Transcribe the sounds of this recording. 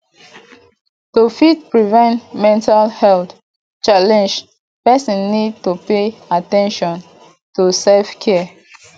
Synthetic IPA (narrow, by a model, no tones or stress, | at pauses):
tufit̚pɹivɛ̃ntmɛ̃ntalhɛlt | t͡ʃalɛ̃nd͡ʒ | pɛsɔ̃nːid̚tupeatɛ̃nʃɔ̃n | tusefkʰɛ